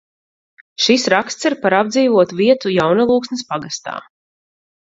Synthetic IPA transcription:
ʃisɾakst̪siɾpaɾabd̪ziːvuɔt̪uviɛt̪ujawnalˠuːksnɛspaɡast̪a̰ː

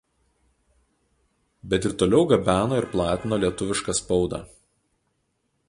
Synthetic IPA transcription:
bʲɛt̪ɪɾt̪oːlʲɛʊɡɐbʲæːnoːɪɾplˠɑːt̪ʲɪnoːlʲiɛt̪ʊʋʲɪʃkɑspɒʊd̪ɑ̰ː

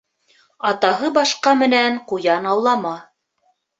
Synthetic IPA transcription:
ɑt̪ɑɦɤbɑʃqɑmɘ̆næɴqujɑnɑwlˠɑmɑ

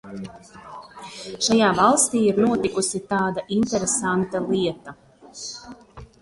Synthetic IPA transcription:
ʃajaːvɑlˠst̪iːiɾnuɔt̪ikusit̪aːd̪aʔint̪ɛɾesant̪alˠiɛt̪a

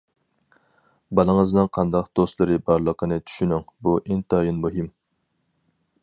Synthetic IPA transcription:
bɑlˠəŋəznɨŋqʰɑnd̪ɑqd̪̥ost̪lˠɨɾɨbɑɾlˠəqʰənɨt͡ʃʰy̥ʃynyŋbuʔeŋt̪ʰɑːjinmuɦim

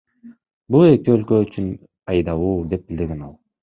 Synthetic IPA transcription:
bulˠe̞kiølkøyt͡ʃyn | ɑjd̪ɑwuːd̪e̞p̚bild̪iɾɡe̞nɑlˠ

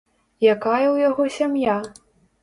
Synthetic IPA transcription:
jakajɛwjaɣɔsʲamja

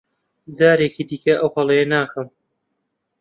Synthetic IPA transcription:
d͡zaːɾekiːd̪iːkɐʔɐwhɐlˠɐjɐnaːxɐm

